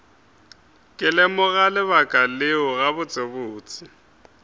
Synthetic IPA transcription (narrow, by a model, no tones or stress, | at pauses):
kʼɪlɛmʊɣalɪβakʼalɪʊɣaβʊt͡sʼebʊːt͡sʼɪ